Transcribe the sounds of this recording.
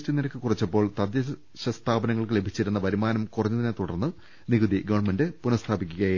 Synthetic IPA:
ʈiniɾɐkːɨkurit͡ɕːɐpːo̞ːɭt̪ɐd̪jɐ | ɕɐst̪ʰaːbɐnɐŋːɐɭkɨle̞bʱit͡ɕːiɾun̪ːɐbɐɾimaːnɐmkurɐɲːɐðinet̪uɽɐrnːɨ | niɡud̪iɡɐʋɐɳmendɨpunɐst̪ʰaːbikʲːuɣɐj

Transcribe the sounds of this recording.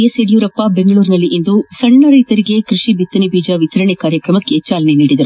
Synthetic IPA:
eseɽijuːɾɐpːɐbeŋɡɐɭuːɾinɐlːiʔind̪usɐɳːɐɾɐjt̪ɐɾiɡe̞kɾiʂibit̪ːɐnibʱiːd͡ʒɐʋit̪ɐɾɐɳekaːɾjɐkɾɐmɐkːet͡ʃːaːlɐneniːɽid̪ɐɾu

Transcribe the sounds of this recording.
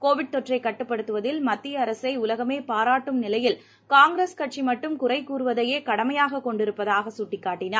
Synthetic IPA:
koːʋɪɽt̪ɔʈrɐɪkːɐʈːɯpːɐɽɯt̪ːɯʋɐðɪlmɐt̪ːɪjɐːɾɐsɐɪʊlɐɣɐmeːpaːɾaːʈːɯmnɪlɐjɪl | kaːŋɡɾeskɐʈ̚t͡ʃimɐʈːɯmkʊrɐɪkːuːɾɯʋɐðɐjeːkɐɽɐmɐjaːɣɐkːɔɳɖɪɾɯpːɐðaːɣɐsʊʈːɪkːaːʈːɪnaː

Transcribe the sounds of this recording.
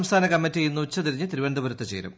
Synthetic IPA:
mst̪ʰaːnɐkɐmːitːijenːut͡ɕːɐt̪iɾiɲːɨt̪iɾiʋend̪ɐbuɾɐt̪ːɐt͡ɕḛːɾṵm

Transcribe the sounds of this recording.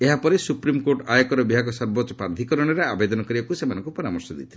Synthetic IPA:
eɦapɔɾesupɾimkoɾʈajɔkɔɾɔbiɦakɔsɔɾbɔtːɔpaɾd̪ʱikɔɾɔɽ̃eɾeabed̪ɔnɔkɔɾibakusemanɔŋkupɔɾamɔɾsɔd̪ḭt̪ʰil

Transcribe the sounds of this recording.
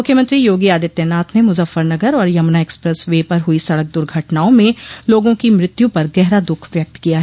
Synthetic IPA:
mʊkʰjəmə̃nt̪ɾijoːɡiaːd̪ɪt̪ːjɛnaːt̪ʰnemʊzəfːəɾnɐɡəɾɔːɾjɐmnaekspɾɛsʋeːpɐɾɦʊisɐɽək̚d̪ʊɾɡʱɐʈnaːõmẽloːɡõkimɾɪt̪jũpɐɾɡɛɦɾad̪ʊkʰʋjɐk̚t̪kijaɦɛː

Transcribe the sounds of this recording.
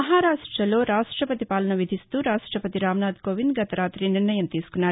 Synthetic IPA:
ɐɦaːɾaːʂʈɾɐlo̞ːɾaːʂʈɾɐpɐt̪ipaːlɐnɐʋid̪ʱist̪uːɾaːʂʈɾɐpɐt̪iɾaːmnaːd̪koːʋind̪ɡɐt̪ɐɾaːt̪ɾiniɾnɐjɐmt̪iːsu̥kunːaː

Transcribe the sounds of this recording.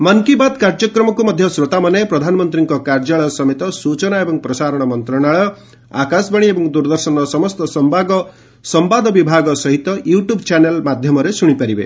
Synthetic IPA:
mʌŋkibad̪kaɾd͡ʒɔkɾɔmɔkumʌd̪ʱjʌsɾot̪amʌnepɾɔd̪ʱanɔmɔnt̪ɾiŋkɔkaɾd͡ʒaɭɔsʌmet̪ɔsut͡ʃɔnaebɔŋpɾɔsaɾɔɽ̃ɔmɔnt̪ɾɔɽ̃aɭɔ | a̰kasbʌɽ̃iebɔŋd̪uɾd̪ʌɾsɔnɔsɔmɔst̪ɔsɔmbaɡɔ | sɔmbad̪ɔbibʱaɡɔsʌɦit̪ɔjuʈjubt͡ʃanelmad̪ʱjɔmɔɾesuɽ̃ipaɾibḛ

